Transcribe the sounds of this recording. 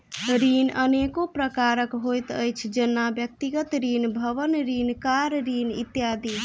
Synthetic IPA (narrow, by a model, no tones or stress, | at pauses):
ɾinənekopɾəkaɾəkɦojt̪əjt͡ʃʰd͡ʒənːabjək̚t̪iɡət̪ɾinbʱəβənɾinkaɾɾinḭt̪jad̪i